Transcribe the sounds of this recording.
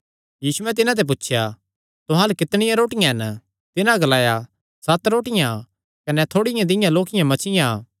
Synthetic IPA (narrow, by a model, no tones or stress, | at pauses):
jiːsuɛt̪̬ɪnãt̪̬ɛp̬ʊtːʃʰja | t̪ʊɦãːlukɪt̪ɽ̃ɪjãɾoːʈɪjãɦɛn | t̪ɪnãɡɐlaːja | sɐt̪ɾoːʈɪjã | kɐnɛt̪ʰoːɽɪjãd̪ɪjãloːkɪjãmɐt͡ʃɪjã